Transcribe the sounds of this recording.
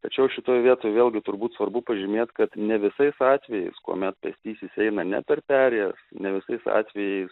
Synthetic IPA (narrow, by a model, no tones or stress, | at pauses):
t̪ɐt͡ʃʲɛʊʃʲɪt̪oːjʋʲiɛt̪oːjʋʲeːlʲɡʲɪt̪ʊɾbuːt̪sʋɐrbʊpɐʒʲɪmʲeːt̪kɐt̪nʲɛʋʲɪsɐɪsɑːt̪ʲʋʲɛjɛɪskṵɔmʲɛt̪pʲɐ̰sʲt̪ʲiːsʲɪsɛɪnɐnʲɛ̰pʲɛrpʲæːɾʲɛjɛsnʲɛʋʲɪsɐɪsɑ̰ːt̪ʲʋʲɛjɛɪs